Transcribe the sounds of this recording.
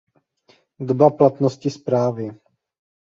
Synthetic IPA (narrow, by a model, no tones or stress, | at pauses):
dobaplat̪noscɪspɾaːvɪ